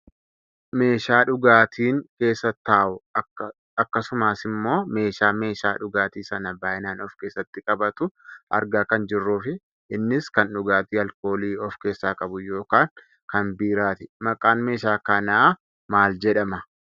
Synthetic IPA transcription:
me̞ːʃaːᶑʊɡaːt̪ʰiːŋke̞ːsːɐt̪ːaːʔʊ | ɐkːɐsʊmaːsɪmːo̞ːme̞ːʃaːme̞ːʃaːᶑʊɡaːt̪iːsɐnɐbaːʔɪnaːnɔfkeːsːɐt̪ːɪkʼɐbɐt̪ʊʔɐ̰ɾɡaːkɐnd͡ʒɪrːuːfɪ | ʔɪnːɪskɐnᶑʊɡaːt̪iːɐlko̞ːliːɔfke̞ːsːaːkʼɐbʊjo̞ːkaːŋ | kɐnbiːɾaːt̪ɪmɐkʼaːnme̞ːʃaːkɐnaː | maːld͡ʒɛᶑɐmɐ

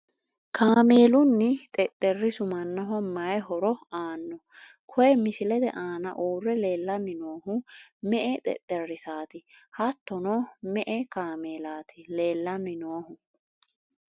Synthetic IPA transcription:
kʰaːmeːlʊnːɪt̪ʼɛt̪ʼːɛrːɪsʊmɐnːɐɦɔmmɐjhɔɾɔaːnːɔ | kʰɔjɛmɪsɪlɛd̪ɛ̰ʔaːnɐ̰ʔuːrːɛleːlːɐnːɪnoːɦʊmɛʔɛt̪ʼɛ̰t̪ʼːɛrːɪsaːt̪ɪhɐt̪ːɔnɔmɛʔɛkaːmeːlaːt̪ʰɪleːlːɐnɪnoːhʊ

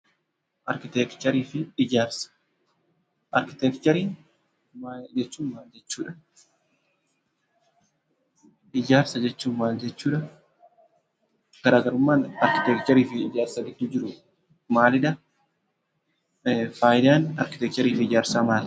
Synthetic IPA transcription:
ʔɐɾkɪt̪ɛkt͡ʃɐɾiːfɪɪd͡ʒaːɾsɐ̥ | ʔɐɾkɪt̪ɛkt͡ʃɐɾiːn | mad͡ʒɛt͡ʃːuːmːaːld͡ʒɛt͡ʃːuːᶑɐ̥ | ʔɪd͡ʒaːɾsɐd͡ʒɛt͡ʃːuːmmaːld͡ʒɛt͡ʃːuːᶑɐ | kɐɾaːɡɐɾʊmːaːnɐɾkɪt̪ɛkt͡ʃɐɾiːfɪɪd͡ʒaːɾsɐɡɪdd̪uːd͡ʒɪɾʊ | maːlɪᶑɐ | faːjɪd̪aːnɐ̰ɾkɪt̪ɛk̚t͡ʃɐɾiːfɪɪd͡ʒaːɾsaːmaːl

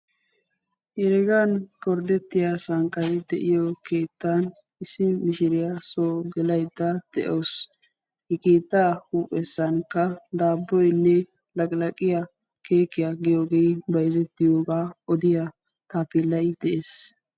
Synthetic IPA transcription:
jɛɾɛɡankɔɾd̪ɛt̪ːɪjasɐŋkʼːɐɾɪd̪ɛʔɪjɔkeːt̪ːan | ɪsɪmɪʃɪɾɪjasoːɡɛlɐjd̪ːɐd̪̥ɛ̰ʔoːs | hɛkeːt̪ːaːhuːpʼɛsːɐnkːɐd̪aːbːɔjnːɛ | lɐkʼlɐkʼɪjɐ | ke̞ːkːɪjaɡɪjoːɡejbɐjzɛt̪ːɪjoːɡaːɔd̪ɪja | t̪aːpɪlːɐjd̪̥ɛʔes

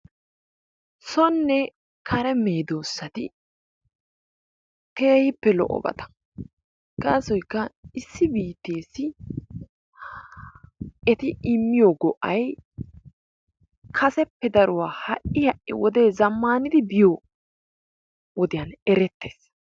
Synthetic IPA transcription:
sɔnːɛ | kʰɐɾɛmeːd̪o̞ːsːɐt̪ɪ̰ | t̪eːhɪpːɛlɔ̰ʔɔ̰bɐ̰t̪ɐ̥ | ɡ̥aːsɔjkːɐɪsːɪbiːt̪ːe̞ːsːɪ | ɛt̪ɪɪmːɪjoːɡɔʔɐj | kʰɐsɛpːɛd̪ɐɾʊwaːhɐʔɪhɐʔːɪ̰wɔd̪e̞ːzɐmːaːnɪd̪ɪbɪjo | wɔd̪ɪjɐnɛɾɛt̪ːeːs

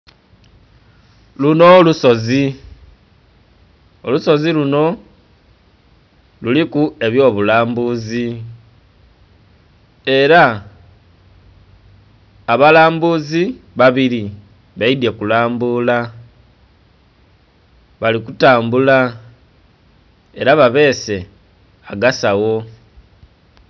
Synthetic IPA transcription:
luno̞luso̞zi | oluso̞ziluno̞ | lulikue̞βjo̞ːβulaːmbuzi | e̞ɾa | βalaːmbuziβaβiɾi | βaidje̞kulaːmbuːla | βalikutaːmbula | e̞ɾaβaβe̞ːse̞ | aɡasawo̞

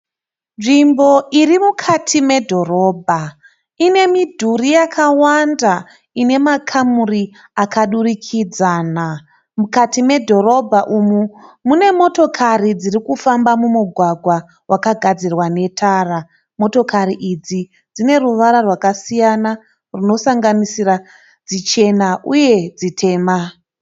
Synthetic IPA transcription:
nʐimbo̞ʔirimukʰatʰime̞dʱo̞ro̞ːbʱa | ine̞midʱurijakʰawanda | ine̞makʰamuri | akaɗurikʰid͡zaːna | mukatime̞dʱo̞ɾo̞bʱaʔumumune̞mo̞to̞kʰarid͡zirikufambamumuɡʱwaɡʱwa | wʔakaɡʱad͡zirwane̞tʰaːra | mo̞to̞kaɾiʔid͡zi | d͡zine̞ruʋaɾarwakasijana | runo̞saŋɡanisira | d͡zit͡ʃe̞naʔuje̞d͡zitʰe̞ːma

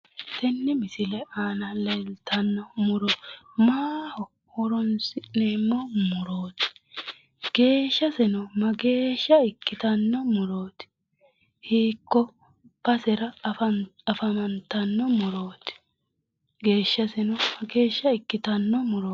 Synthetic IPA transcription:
t̪ɛnːɪmɪsɪlɛaːnɐlɛlt̪ʰɐnːɔmʊɾo | maːhɔ | wɔɾɔnsɪneːmːɔmʊɾoːt̪ɪ̥ | ɡ̥e̞ːʃːɐsɛnɔmɐɡe̞ːʃːɐɪkːɪt̪ɐnːɔmʊɾoːt̪ɪ̥ | hiːkːɔ | b̥ɐsɛɾɐ | ɐfɐmɐnt̪ɐnːɔmʊɾo̞ːt̪ɪ̥ | ɡe̞ːʃːɐsɛnɔɐɡe̞ːʃːɐɪkːɪt̪ɐnːɔmʊɾoː

